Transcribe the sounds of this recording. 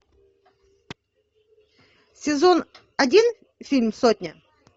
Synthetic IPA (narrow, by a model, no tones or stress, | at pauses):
sʲɪzon | ɐdʲin | fʲilʲmsotʲnʲə